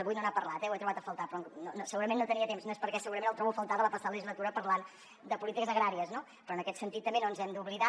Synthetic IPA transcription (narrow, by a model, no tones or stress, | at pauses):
βujnonapəɾlat̪ɛwɛt̪ɾuβat̪əfəlˠt̪apɾɔŋnonosəɣuɾəmẽnːot̪əniət̪emznoespəɾkɛsəɣuɾəmẽnəlˠt̪ɾɔβufəlˠt̪aðələpəsaðləʒizlət̪uɾəpəɾlan | d̪əpulit̪ikəzəɣɾaɾiəzno | pɾɔənəkɛt̪sənt̪it̪ːəmbenonzɛmd̪uβliða